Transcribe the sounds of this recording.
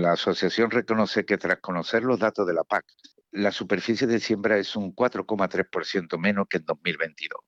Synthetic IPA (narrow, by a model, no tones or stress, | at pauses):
laːso̞θjaθjo̞nre̞ko̞no̞θe̞ke̞t̪ɾahko̞no̞θe̞ɾlo̞ɦðat̪oðe̞lapak̚ | lasupe̞ɾfiθjeðesje̞mbɾae̞suŋkwat̪ɾo̞ko̞mat̪ɾe̞hpo̞ɾθje̞nt̪omẽ̞nohkend̪o̞ɦmilβe̞nt̪iðo̞